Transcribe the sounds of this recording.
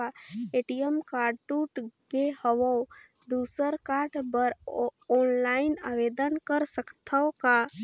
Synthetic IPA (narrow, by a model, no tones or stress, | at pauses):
aeʈijəmkaːɖʈuːʈɡehəʋo | d̪uːsəɾkaːɾʈbəɾɔːnlaːɪnaːʋeːd̪ənkəɾsəkt̪ʰaoka